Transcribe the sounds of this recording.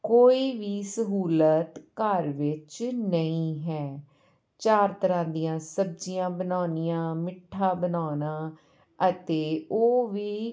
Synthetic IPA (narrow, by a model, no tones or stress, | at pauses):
koːiːʋiːsəɦuːlət̪kəɾʋɪt͡ʃnəĩːɦɛː | t͡ʃaːɾt̪əɾãːd̪ijãːsəb̚d͡ʒijãːbənaːnɪjãːmɪʈʰːãːbənaːnãː | ət̪eːoːʋiː